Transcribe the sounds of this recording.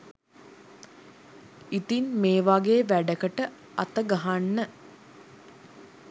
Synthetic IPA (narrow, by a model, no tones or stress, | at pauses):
it̪inmeːʋaɡeʋæɖəkəʈə | at̪əɡaɦanːə